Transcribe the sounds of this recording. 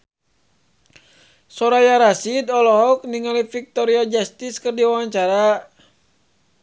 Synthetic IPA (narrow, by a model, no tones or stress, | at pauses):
sɔɾajaɾasid̪ɔlɔɦɔk̚niŋalifik̚t̪ɔɾiad͡ʒast̪iskɨrdiwawaɲt͡ʃaɾa